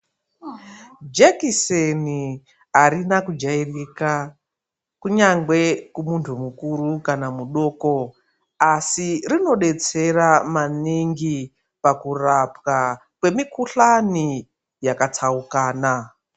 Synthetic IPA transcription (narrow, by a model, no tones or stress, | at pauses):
d͡ʒekiseni | aɾinakud͡ʒairika | kuɲaŋɡwe̞kumuntʰumukuɾukanamuɗo̞ːko̞ | asirino̞ɗe̞t͡se̞ramaniŋɡi | pakurapka | kwe̞mikuɬani | jakatʰaukaːna